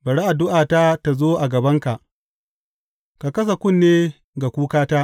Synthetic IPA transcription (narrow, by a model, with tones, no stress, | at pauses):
bɐ˨ɽa˦ʔa˨dʊ˦ʔaː˨ta˦ta˨zoː˦ʔa˨ɡɐ˨bɐ˦ŋka˨ʔ | ka˨kɐ˦s̬a˨kʷʊ˦˨nːeː˦ | ɡa˨kʷuː˦kaː˦taː˦